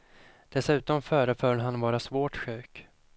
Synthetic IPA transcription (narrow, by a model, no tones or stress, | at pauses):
d̪̥ɛsʉ̟ːt̪ɔmfœːɾəfœːlɦanvɑːɾasvoːʈɧʉ̟ːk